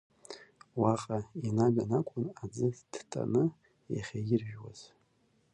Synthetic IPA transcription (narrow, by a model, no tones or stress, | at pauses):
waqʼainaɥanakʷʼʊnad͡zɨd̥tʰʼa̰nɨ | ja̰χʲajɪrʒᶣwa̰z̥